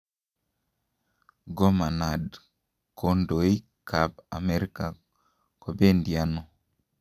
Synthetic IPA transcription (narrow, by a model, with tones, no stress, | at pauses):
ɡɔ˦ma˨na˨d | kʰo˨ndo˨i˦ | kʰa˨ba˨mɛ˨ɾi˦ka˨ | ko˨be˦ndia˦no˨